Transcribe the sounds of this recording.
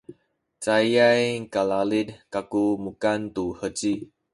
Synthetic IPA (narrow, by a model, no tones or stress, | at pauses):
t͡sajajkalalidkakumukant̪uhət͡ʃi